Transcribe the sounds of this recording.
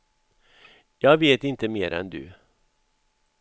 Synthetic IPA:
jɑːɡveːt̪ɪnt̪əmeːɾɛ̰nd̪ɵ̰

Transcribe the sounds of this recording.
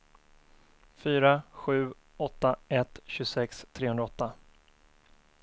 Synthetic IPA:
fyːɾaɧʉ̟ː | ɔt̪ːaʔɛt̪ɕɵsɛkst̪ʰɾeːɵnɾaɔt̪ːa

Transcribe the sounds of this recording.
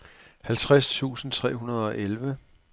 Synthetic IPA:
hælt͡sʰʁast͡sʰṵːsn̩t͡sʰʁɛ̰ːɦunɐð̞ˠɒ̽ʔelʋə

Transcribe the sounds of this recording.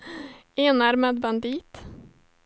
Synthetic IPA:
eːnæɾmeːd̪̚bɑnd̪iːt̪

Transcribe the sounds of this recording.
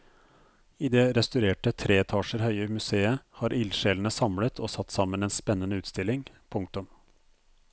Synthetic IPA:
iːd̪ɛɾɛst̪ʉɾeːʈət̪ʰɾeːɛt̪ʰɑːʂəɾhœʏəmʉseːəhɑːɾʔɪlʃeːln̩əsɑmlət̪ʰoːsɑt̪ːsɑmːəneːnspɛnːənəʉːt̪st̪ɪlːɪŋ | pʰʊŋk̚t̪ʊm

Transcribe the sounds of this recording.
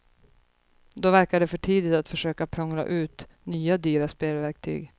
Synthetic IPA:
d̪ɔvæɾkaɖɛfœʈʰiːd̪ɪt̪at̪fœʂøːkapʰɾɔŋɾa̰ʔʉ̟ːt̪ | nyːad̪yːɾaspeːlvæɾk̚t̪ʰy̰ːɡ

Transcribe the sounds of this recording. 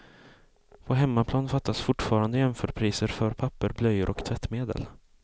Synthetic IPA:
pʰɔɦɛmːapʰlɑːnfat̪ːasfʊʈfɑːɾand̪əjɛmfœːɖpʰɾiːsəɾfœɾpʰapːəɾblœjːəɾʔɔkt̪ʰvɛt̪ːmeːd̪ə̰l

